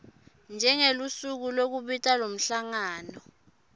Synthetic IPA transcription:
nd͡ʒʱɛŋelusuk̬ulok̬uɓitʼalom̩ɬaŋaːnɔ

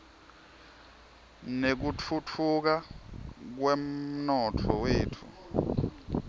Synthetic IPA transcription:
nek̬ut͡fʰut͡fʰuk̬a | k̬wɛm̩nɔtʰɔweːtʰu

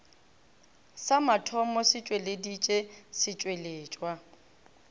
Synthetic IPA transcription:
samatʰɔmɔsɪt͡ʃʼweledit͡ʃʼesɪt͡ʃʼweleːt͡ʃʼwa

